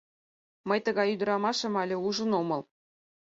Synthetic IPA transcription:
mɤ̆jt̪ɤ̆ɡɑyd̪ɤ̆ɾɑmɑʂɤ̆mɑlʲɘ̆uʐɤ̆nomɤ̆lˠ

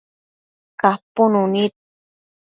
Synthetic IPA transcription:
kaponunit̪̚

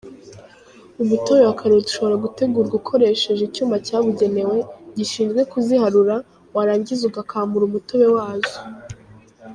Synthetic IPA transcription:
umuto̞βe̞wakʰaɾoduʃo̞βo̞ɾaɡute̞ɡuːɾɡukʰo̞ɾe̞ʃe̞ʒicuːmacaːβuɟe̞ne̞we̞ɟiʃiːnzɡwe̞kuzihaɾuɾa | waɾaːɲɟizuɡakʰaːmbuɾumutoβe̞waːzo

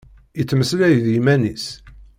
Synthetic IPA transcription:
jət͡sːməslæjðjimænis

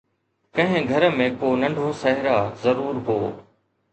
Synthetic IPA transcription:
kɐ̃ɦɪ̃ɡʱɐɾəmẽkoːnɐ̃ɳɖʱoːsɐɦɪɾazɐɾuːɾɦoː

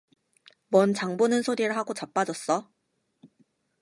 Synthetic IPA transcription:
mʌnt͡ɕaŋbonɯnsʰoɾiɾɯɭɦaɡot͡ɕap͈ad͡ʑʌs͈ʌ

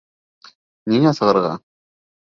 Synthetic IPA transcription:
ninɑsɤ̆ʁɤ̆ɾʁɑ̰

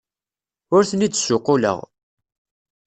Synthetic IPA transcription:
ʊɾθənid̪sʊqːʊlə̰ʁ

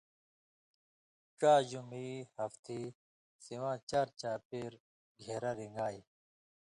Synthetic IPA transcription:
ʈ͡ʂaːd͡ʑumihɐft̪ʰi | siwãːt͡ɕaːɾt͡ɕaːpeːɾ | ɡʱeːɾaɾiŋɡaːi

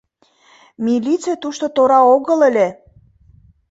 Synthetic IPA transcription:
milʲit͡set̪uʃt̪ot̪oɾɑoɣə̆lə̆lʲe

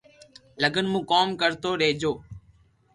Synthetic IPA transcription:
ləɡənmũːkoːmkəɾt̪oːɾeːd͡ʒoː

